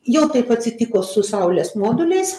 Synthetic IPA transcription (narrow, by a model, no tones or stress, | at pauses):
jɛʊt̪ɐɪpɐtʲsʲɪt̪ʲɪkoːsʊsɐʊlʲeːsmoːd̪ʊlʲɛɪs